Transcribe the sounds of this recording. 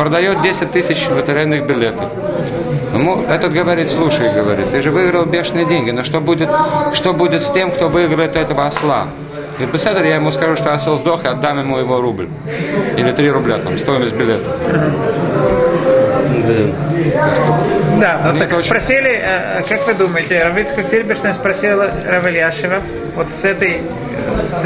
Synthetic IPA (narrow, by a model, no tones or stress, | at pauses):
pɾəd̪ɐjot̪̚dʲesʲɪt̚ʲt̪ːɨsʲɪt͡ɕvət̪ɪɾʲɛnːɨxbʲɪlʲet̪ə | ɪmuɛt̪ət̪ɡəvɐɾʲit̪ʲslˠuʂəjɡəvɐɾʲḭt̪tːɨʐɨvɨɪɡɾəlˠbʲeʂnɨjədʲenʲɡʲɪnoʂt̪obudʲɪt̪ʂt̪o̞budʲɪt̪sʲtʲe̞mkt̪o̞vɨɪɡɾəɪt̪ɛt̪əvəɐslˠa̰ | nʲɪt̪̚bɪsɛd̪əɾjajɪmuskɐʐuʂt̪oɐsɛlˠzd̪oxɨɐd̪ːamjɪmujɪvoɾublʲ | ilʲɪt̪ɾʲiɾʊblʲat̪a̰mst̪o̞jɪməsʲt̪ʲbʲɪlʲet̪ə̥m̩ɦ̩ | d̪at̪akʂt̪od̪anonʲeəɛt̪ospɾɐsʲilʲɪəkakvɨd̪uməjɪtʲɪɾɐvit̪skəktʲɪɾʲbʲɪʂnəjspɾɐsʲilˠəɾɐvɨlʲjaʂɪvə | vot̪sɛt̪əj